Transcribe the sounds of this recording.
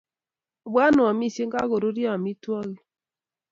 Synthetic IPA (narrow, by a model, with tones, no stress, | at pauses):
bwa˦no˨a˨mi˦˨se˦ŋɡa˦ɣo˨ɾo˦ɾja˦a˨mi˦twɔ˦ɣi˦